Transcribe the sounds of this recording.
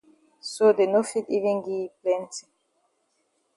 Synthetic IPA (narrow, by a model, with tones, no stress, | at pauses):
sode˨nofi˦ti˦vĩ˦nɡi˦plɛ̃nti˨